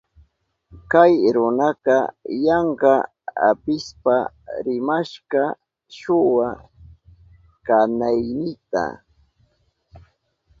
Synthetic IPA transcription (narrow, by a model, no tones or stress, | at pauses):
kajɾʊnɑqɑjɑɴɢɑ | a̰pɪspa | ɾɪmaʃɢɑ | ʃʊwa | kanajnɪt̪a̰